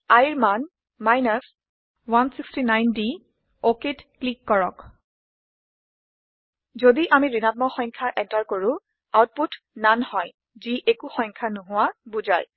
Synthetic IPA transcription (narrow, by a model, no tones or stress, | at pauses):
ajiɹman | majnas | wansikstinajndi | oketklikːɔɹɔk | zodiʔamiɹinat̚mɔxɔjŋkʰaʔɛntaɹkoɹʊ̃ | awt̚put | nanhɔj | ziʔekuxɔjŋkʰanʊɦʊwabuza̰j